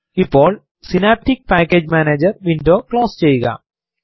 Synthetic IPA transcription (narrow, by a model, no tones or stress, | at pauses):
ipːoːɭ | sinaːp̚ʈik̚paːkːeːd͡ʑmaːneːd͡ʑɐɾʋinɖoːkɭoːst͡ɕejːɯɣɐ̰